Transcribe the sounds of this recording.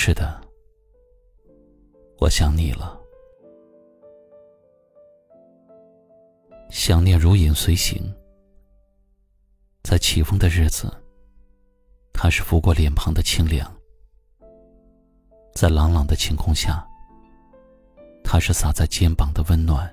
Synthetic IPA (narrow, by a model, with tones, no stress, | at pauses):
ʂɻ̩˥˩d̪ə˩ | wɔ̰˨˩ɕjɑ˨˩ŋni˨˩lə˦ | ɕjɑ˥˩ŋnjɛ˥˩ɻu˧˥i˨˩nswe˧˥ɪɕḭ˧˥ŋ | t͡sa˥˩ɪt͡ɕʰi˨˩fɤ˥ŋd̪ə˧ɻɻ̩˥˩d͡zɹ̩̰˩ | t̪ʰa˥ʂɻ̩˥˩fu˧˥kwɔ˥˩ljɛ˨˩npʰɤ˧˥ŋd̪ə˧t͡ɕʰi˥ŋljɑ̰˨˩˦ŋ | t͡sa˥˩ɪlɑ˧˥ŋlɑ˨˩ŋd̪ə˦t͡ɕʰi˧˥ŋkʰʊ˥˧ŋɕja˥˩ | t̪ʰa˥ʂɻ̩˥˩sa˨˩t͡sa˥˩ɪt͡ɕjɛ˥npɑ˨˩ŋd̪ə˦wə˥nnwa̰˥˩n